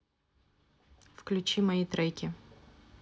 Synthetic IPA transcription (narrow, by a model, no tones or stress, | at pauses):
fklʲʉt͡ɕimɐit̪ɾɛjkʲɪ